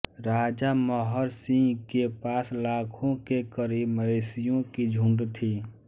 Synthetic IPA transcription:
ɾaːd͡ʒaməɦəɾsĩŋɡkepaːslaːkʰõkekəɾiməesijõkid͡ʒʱũɳɖt̪ʰiː

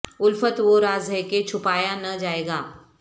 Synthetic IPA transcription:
ʊlfət̪ʋoɾaːzɦɛket͡ʃʰʊpaːjanɐd͡ʒaːeːɡaː

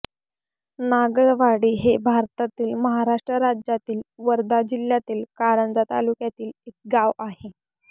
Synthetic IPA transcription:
naɡəɭʋaɽiːɦebʱaɾt̪at̪iːlməɦaɾaʂʈɾəɾad͡ʑjat̪iːlʋəɾd̪ad͡ʑiljat̪iːlkaɾəɳd͡zat̪a̰lukjat̪iːlek̚ɡaʋaɦe

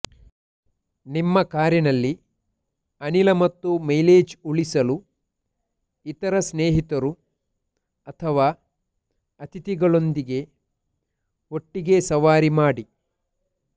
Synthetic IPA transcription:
nimːɐkaːɾjɐnɐlːi | ɐnilɐmɐt̪ːumɐjleːd͡ʒuɭisɐlu | it̪ɐɾɐsneːɦit̪ɐɾu | ɐt̪ʰɐʋaː | ɐt̪ʰit̪iɡɐɭo̞nd̪iɡe̞ | o̞ʈːiɡe̞sɐʋaːɾimaːɽi

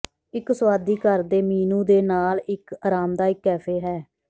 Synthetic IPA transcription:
ɪksʋaːd̪iːkəɾd̪eːmiːnuːd̪eːnaːlɪkaːɾaːmd̪aːɪkːɛːpʰeːɦɛː

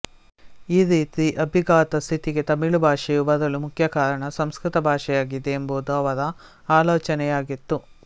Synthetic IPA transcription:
iːɾiːt̪iʔɐbʱiɡaːt̪ɐst̪ʰit̪iɡet̪ɐmiɭubʱaːʂɛjubɐd̪ɐlumukʰjɐkaːɾɐɳɐsɐmskɾit̪ɐbʱaːʂɛjaːɡid̪eːmboːd̪uɐʋɐðɐ | aːloːt͡ʃɐnɛjaːɡit̪ːu

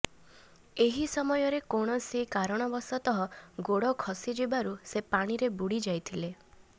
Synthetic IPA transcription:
eɦisɔmɔjɔɾekoɽ̃ɔsikaɾɔɽ̃ɔbɔsɔt̪ɔɦɔɡoɽɔkʰɔsid͡ʒibaɾusepaɽ̃iɾebuɽid͡ʒajt̪ʰile

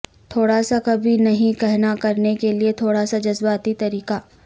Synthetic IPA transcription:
t̪ʰoːɽasakɐbʱinɐɦĩkɛɦnakɐɾnekeliet̪ʰoːɽasad͡ʒɐzbaːt̪it̪ɐɾiːkaː

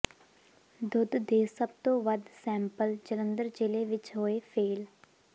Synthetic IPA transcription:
d̪ʊd̪d̪eːsəb̚t̪õːʋəd̪sɛ̃ːmpəld͡ʒələnd̪əɾd͡ʒɪleːʋɪt͡ʃɦoːeːpʰeːl

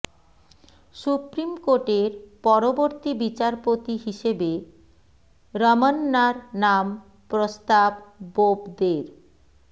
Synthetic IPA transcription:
ʃupɾimkoʈeɾpɔɾoboɾt̪ibit͡ɕaɾpot̪iɦiʃebe | ɾɔmanːaɾnam | pɾost̪abbobd̪eɾ

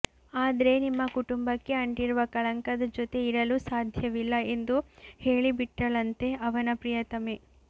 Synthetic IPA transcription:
aːd̪ɐɾe̞nimːɐkuʈumbɐkːe̞ɐɳʈiɾuʋɐkɐɭɐŋkɐd̪ɐd͡ʒot̪e̞iɾɐlusaːd̪ʱjɐʋilːɐe̞nd̪uheːɭibiʈːɐlɐnt̪e̞ʔɐʋɐnɐpɾijɐt̪ɐme

